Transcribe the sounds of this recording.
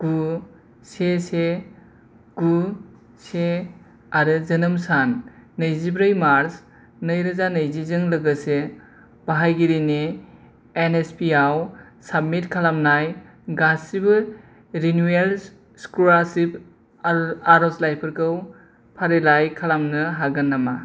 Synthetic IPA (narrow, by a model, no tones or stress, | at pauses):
ɡ̥u | sese | ɡ̥u | se | aɾɯzɐnɯmsanːɐjzibɾɯjmaɾs | nəjɾɐzanəjzizɯŋlɐɡɯse | b̥aɦajɡiɾineː | nespiaw | sab̚mitkʰalamnaj | ɡasibɯ | ɾinuel | skuasip | aɾoslajpʰɯɾkɯw | pʰaɾelajkʰalamnɯɦaɡɐnːama